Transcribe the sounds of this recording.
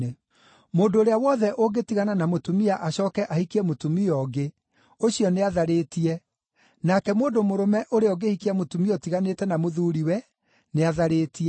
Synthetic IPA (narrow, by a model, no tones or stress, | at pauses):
e | moːndoːɾeawɔðɛʔoɡetiɣananamotumiaʔaɕɔːkɛʔahikiɛmotumiɔɡe | oɕijɔneaðaɾeːtiɛ | nakɛmoːndomoɾomɛʔoɾeɔɡehikiamotumiɔtiɣanetɛnamoðuːɾiwɛ | neaðaɾeːtiɛ